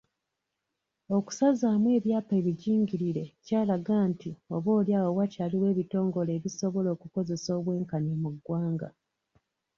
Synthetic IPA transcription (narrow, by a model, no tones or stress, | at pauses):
o̞ku̥sazaːmwe̞ːβjaːpe̞βiɟiːŋɟiɾiɾecaːlaɡaːntio̞βo̞ːljaːwowacaːliwe̞ːβito̞ːŋɡo̞le̞ːβiso̞βo̞lo̞ːkuko̞ze̞so̞ːβwe̞ːŋkanemuɡwaːŋɡa̰